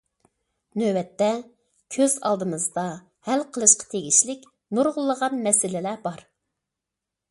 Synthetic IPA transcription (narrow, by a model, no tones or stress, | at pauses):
nøbɛt̪ːɛ | kʲʰøzɑ̰lˠd̪ɨmɨzd̪ɑ | hælqʰəlˠɨʃqʰɑ̥t̪ʰeɡʲiʃlɪkʲ | nuɾʁʊlˠːəʁɑnmɛsɪlɪlæbɑɾ